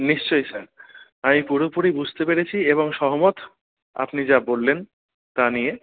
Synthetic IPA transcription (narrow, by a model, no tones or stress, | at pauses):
niʃt͡ɕojsaɾ | amipuɾopuɾibud͡ʑʱt̪epeɾet͡ɕʰieβoŋʃɔɦomot̪ | a̰pnid͡ʑabolːen | t̪anije